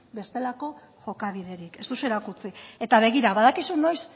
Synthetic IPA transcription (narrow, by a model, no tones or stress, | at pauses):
be̞st̪e̞lako̞ | ʝo̞kaβiðe̞ɾike̞st̪usueɾakut͡sie̞t̪aβ̞e̞ɣ̞iɾaβaðakisuno̞js